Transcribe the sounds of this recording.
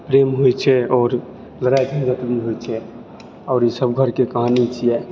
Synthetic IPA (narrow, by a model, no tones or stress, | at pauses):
pɾemɦojt͡ʃʰɛɔːɾ | ləɾajd͡ʒʱid͡ʒət̪biɦojt͡ʃʰɛ | ɔːɾjesəbɡʱəɾkekəɦanit͡ʃʰijɛ